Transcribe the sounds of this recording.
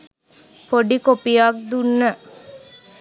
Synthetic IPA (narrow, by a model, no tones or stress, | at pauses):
poɖikopijaːk̚d̪unːə